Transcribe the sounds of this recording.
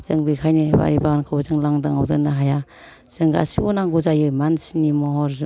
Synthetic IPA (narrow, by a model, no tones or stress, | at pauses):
z̥ɯŋbikʰajniba̰ɾibankʰɯwzɯŋlaŋdaŋa̰wdɯnɯɦaja | z̥ɯŋɡa̰sibɔnaŋɡuzajɯmansinimɔɦɔɾz